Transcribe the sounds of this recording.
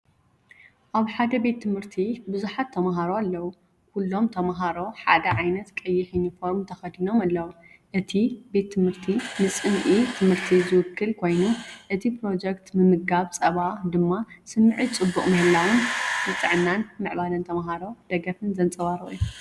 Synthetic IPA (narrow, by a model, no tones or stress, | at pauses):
ʔaβħad̪ɐbe̞t̪ʰːɨmhɨɾt̪ʰibɨzuħat̪ʰːɐmaɦaɾoalːɐwu | kʰulːo̞mt̪ʰɐmaɦaɾo̞ħad̪ɐʕajnɐt̪kʼɐjːɪħinifo̞ɾmt̪ʰɐxɐd̪ino̞malːɐwu | ʔɨt̪ʰibe̞t̪ʰːɨmhɨɾt̪ʰinɨsʼɨmʔit̪ʰɨmhɨɾt̪ʰizɨwʊkʰːɨlkʰo̞jnuʔɨt̪ʰipɾo̞d͡ʒekt̪mɨmɨɡɡaβt͡sʼɐβad̪ɨmːasɨmːɨʕit͡sʼɨbːuχʼmɐhɨlːawɨnbɨt̪ʼɨʕnːanmɨʕβalɐnt̪ʰɐmaɦaɾo̞d̪̥ɐɡɐfɨnzɐnt͡sʼɐβaɾɨ̰ʔiju